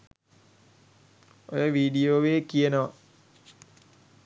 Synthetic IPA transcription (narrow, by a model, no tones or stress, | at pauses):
o̰jəʋiːɖijoːʋeːkijənəʋɐ